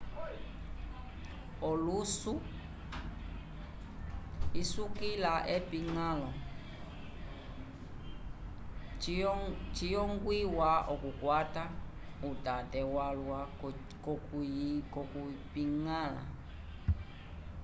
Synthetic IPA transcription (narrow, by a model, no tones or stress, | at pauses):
ɔlusu | isukilaʔɛpiŋalɔ | t͡ʃijɔŋɡwiwaʔɔkukwatautatɛwalwa | k | kɔkupiŋala̰